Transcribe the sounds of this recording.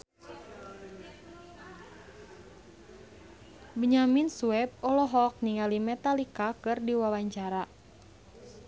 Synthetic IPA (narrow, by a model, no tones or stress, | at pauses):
bəɲaminsuɛb̚ɔlɔɦɔk̚niŋalimɛt̪alikakɨrdiwawaɲt͡ʃaɾa